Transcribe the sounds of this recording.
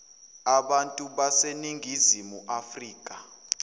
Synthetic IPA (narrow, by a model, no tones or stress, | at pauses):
aɓantʼuɓaseniŋɡʱizimuʔafriːkʼa